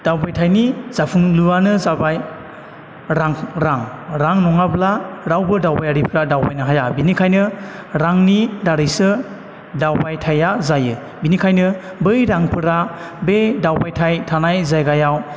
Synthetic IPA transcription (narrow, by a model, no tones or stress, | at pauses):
d̥awbajtʰajniz̥apʰuŋluanɯzabaj | ɾaŋɾaŋɾaŋnɔŋablaɾawbɯdawbajaɾipʰɾadawbajnɯɦajabinikʰajnɯ | ɾaŋnidaɾɯjsɯ | dawbajtʰajazajɯ | binikʰajnɯ | bɯjɾaŋpʰɯɾabedawbajtʰajtʰanajzajɡajaw